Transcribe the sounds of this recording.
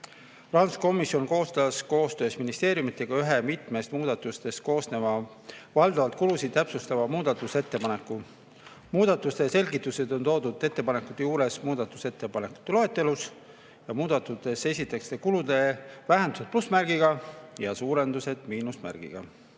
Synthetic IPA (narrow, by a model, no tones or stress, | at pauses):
prɑnsko̞mːˑisjo̞nko̞ːst̪ɑsko̞ːst̪ø̞ːsminist̪e̞ːɾjumit̪ːˑe̞ɡ̥ɑyɦe̞mit̪ˑme̞st̪muːd̪ɑt̪ːˑust̪e̞s̚ko̞ːsne̞mɑ | vɑld̪ɑvɑlt̪kulusid̪̥̚t̪ːæpsust̪ɑvɑmuːd̪̥ɑt̪ːˑuse̞t̪ːe̞pɑne̞kːˑu | muːd̪̥ɑt̪ːˑust̪e̞se̞lʲɡit̪ːˑuse̞d̪̥o̞nt̪o̞ːd̪ud̪e̞t̪ːe̞pɑnekːˑud̪̥ejuːɾe̞smuːd̪ɑt̪ːˑu̥se̞t̪ːe̞pɑne̞kːˑu̥t̪ːˑe̞lo̞e̞t̪ːˑe̞lus | jɑmuːd̪̥ɑt̪ːˑut̪ːˑe̞se̞sʲit̪ːˑekst̪ekulud̪e̞væɦend̪u̥se̞d̪̚plusmæɾɡ̥iɡɑjɑsuːɾe̞nd̪use̞d̪̥miːnusmæ̰rɡ̥ḭɡ̥ɑ̰